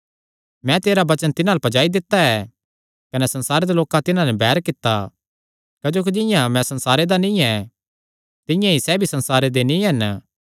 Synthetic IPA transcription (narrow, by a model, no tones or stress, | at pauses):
mɛ̃t̪eːɾabɐt͡ʃənt̪ɪnalpɐd͡ʒaːid̪ɪt̪ːaɛ | kɐnɛsɐ̃nsaːɾed̪aloːkãt̪ɪnãnɛbɛːɾkɪt̪ːa | kɐd͡ʒoːk̬id͡ʒɪ̃jãmɛ̃sɐ̃nsaːɾed̪anĩɛ | t̪ɪ̃jãisɛbʱisɐ̃nsaːɾed̪enĩɦɐn